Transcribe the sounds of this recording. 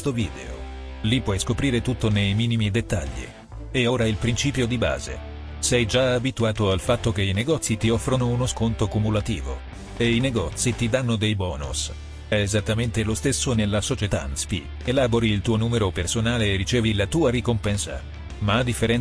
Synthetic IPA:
st̪oviːd̪ḛo̰ | lipːwɔjskopɾiːɾet̪ut̪ːonejmiːnimid̪et̪ːaʎːḭ | ɛoːɾailpɾint͡ʃiːpjod̪iba̰ːzḛ | sɛjd͡ʒaabit̪uaːt̪oalfat̪ːok̟eineɡɔt̪sit̪iɔfːɾonounoskont̪okumulat̪iːvo̰ | eineɡɔːt̪sːit̪id̪anːod̪ejbɔːnṵs | ɛezat̪ːament̪elost̪esːonelːasot͡ʃet̪anspḭ | elaːboɾiːlt̪uːonuːmeɾopersonaːleːrːit͡ʃeːvilat̪uːaɾikompɛnsa̰ | maad̪ːifːeɾɛn

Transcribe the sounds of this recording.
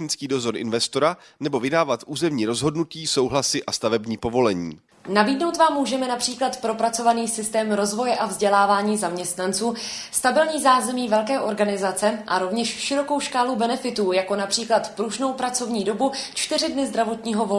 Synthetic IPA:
nɪt͡skiːdo̞zo̞ɾʔɪ̰nvɛst̪o̞ɾa | nɛbo̞vɪdaːvat̪ʔuːzɛmɲiːɾo̞zɦo̞dnuciːsowɦlasɪʔast̪avɛbɲiːpovo̞lɛɲḭː | naviːdno̞wt̪vaːmːuːʒɛmɛnapr̝̥iːklat̪pɾo̞pɾat͡so̞vaniːsɪst̪ɛːmɾo̞zvo̞jɛʔavzɟɛlaːvaːɲiːzamɲɛst̪nant͡suːst̪abɪlɲiːzaːzɛmiːvɛlkɛːʔo̞ɾɡanɪzat͡sɛʔaɾo̞vɲɛʃʃɪɾo̞ko̞wʃkaːlubɛnɛfɪt̪uːjako̞napr̥iːklat̪pɾuʒno̞wpɾat͡so̞vɲiːdo̞but͡ʃt̪ɪrɪdnɪzd̪ɾavo̞t̪ɲiːɦo̞vo

